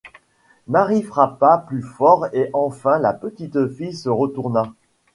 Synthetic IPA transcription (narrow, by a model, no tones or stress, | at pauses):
maʁifχapaplyfɔʁeʔɑ̃fɛ̃lapət̪it̪fijsəʁət̪uʁna